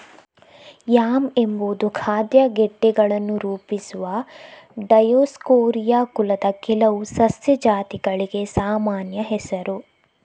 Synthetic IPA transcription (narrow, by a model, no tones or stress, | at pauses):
jaːmembuːd̪ukʰaːd̪jɐɡeʈːiɡɐɭɐnːuɾuːpisuʋɐ | ɖɐjoːskoːɾijaːkulɐd̪ɐkɛlɐʋusɐsjɐd͡ʒaːt̪iɡɐɭiɡe̞saːmaːnjɐɦɛsɐɾu